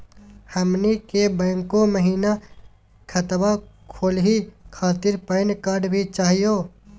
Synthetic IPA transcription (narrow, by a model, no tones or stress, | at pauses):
həmnikebə̃ːŋkoməɦiːna | kʰət̪wakʰoːlɦikʰaːt̪ɪɾpəɪnkaːɾɖbʱit͡ʃaːɦijoː